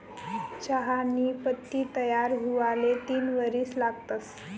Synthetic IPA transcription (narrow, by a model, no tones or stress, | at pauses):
t͡ɕaɦaniːpət̪ːiːt̪əjaɾɦuʋalet̪iːnʋəɾiːslaɡt̪as